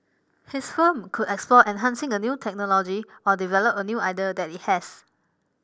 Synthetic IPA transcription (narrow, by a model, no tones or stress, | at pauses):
hɪsfə̃mkʰudɛksplɔʔɛ̃nɦãnsɪ̃ŋənjutʰɛk̚nɔlɔd͡ʒiɔdivɛlopənjuːʔajdədɛt̚it̚hɛs